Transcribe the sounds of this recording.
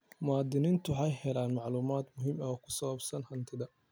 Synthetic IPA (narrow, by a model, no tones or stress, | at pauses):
mʊaːd̪ɪnɪnt̪ʰʊħɑjhɛlaːnmɑʕluːmaːd̪mʊɦɪmɐɔkʰʊ̥sɐwɐbsɐnhɐnt̪ʰɪðɐ